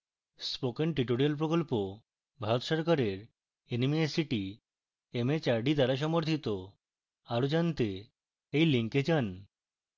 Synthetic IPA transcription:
spokenʈɾiʈoɾialp̬ɾokolpo | bʱaɾot̪ʃɔɾkaɾeɾ | enimesiʈi | emet͡ɕaɾɖid̪aɾaʃ̬ɔmoɾt̪ʰit̪o | aɾod͡ʑant̪e | ejliŋked͡ʑan

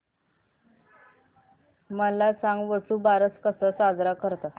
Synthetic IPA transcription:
məlat͡saŋɡʋəsuːbaɾət͡skəsəsad͡zɾakəɾt̪a

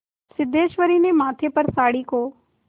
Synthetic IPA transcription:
sɪd̪eːʃʋəɾiːnemãːt̪ʰepəɾsaːɽiːkoː

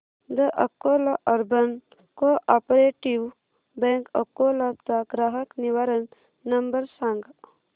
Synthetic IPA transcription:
d̪əʔəkːoːlaʔɐɾbɐn | koʔapɾeːʈiw | bẽŋkəkːoːlat͡saɡɾaɦəkniʋaɾənː | ɐmbəɾsãːŋɡ

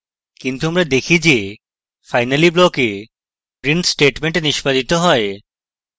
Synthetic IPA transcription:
kint̪uamɾad̪ekʰid͡ʑe | fajnaliblɔke | pɾinsʈeʈmeɳʈeniʃpad̪it̪oɦɔe

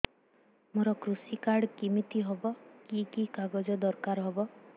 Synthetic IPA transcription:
moɾɔkɾusikaɾɽkimit̪iɦɔbɔkikikaɡɔd͡ʒɔd̪ɔɾkaɾɦɔbɔ

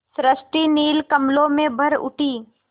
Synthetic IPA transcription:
sɾəsʈiniːlkɐmlõmẽbʱɐɾʊ̰ʈʰiː

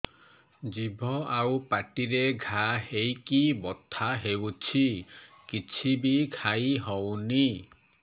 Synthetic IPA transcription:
d͡ʒibʱɔawpaʈiɾeɡʱahejkibɔt̪ʰaɦewt͡ʃʰikit͡ʃʰibikʰajɦɔwni

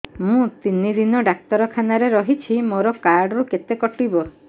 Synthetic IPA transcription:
mũt̪inid̪inɔɖak̚t̪ɔɾɔkʰanaɾeɾɔɦit͡ʃʰimoɾɔkaɾɖɔɾuket̪ekɔʈibɔ

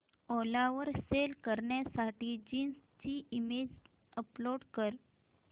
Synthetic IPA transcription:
olaʋəɾselkəɾɳjasaʈiːd͡ʑiːnst͡ɕiːimed͡ʑ | əploɽkəɾ

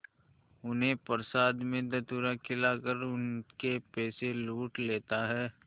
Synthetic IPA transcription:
ʊnɦẽpəɾsaːd̪mẽd̪ɐt̪uːɾakʰɪlakəɾʊnkepɛːseluːʈleːt̪aɦɛː

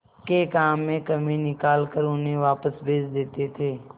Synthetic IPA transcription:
kekaːmːẽkəmẽnɪkaːlkəɾʊnẽʋaːpəsbʱeːd͡ʒd̪eːt̪et̪ʰeː

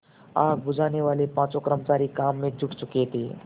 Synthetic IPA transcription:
a̰ːɡ̚bʊd͡ʒʱaːneʋaːlepãːt͡ʃokɾəmt͡ʃaːɾikaːmːẽd͡ʒʊʈt͡ʃʊket̪iː

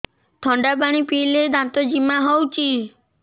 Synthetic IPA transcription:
t̪ʰɔɳɖabaɽ̃ipiled̪ãt̪ɔd͡ʒimaɦɔwt͡ʃʰi

